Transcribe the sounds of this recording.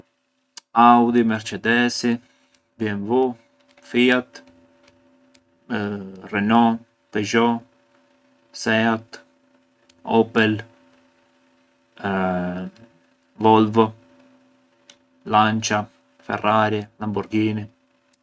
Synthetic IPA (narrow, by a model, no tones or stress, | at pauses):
awd̪imɛɾt͡ʃɛd̪ɛsi | bjɛnvu | fiat̪ | rɛnɔ | pɛʒɔ | sɛat̪ | ɔpɛl | vɔlvɔ | lant͡ʃa | fɛ̰raɾilambuɾɡiːni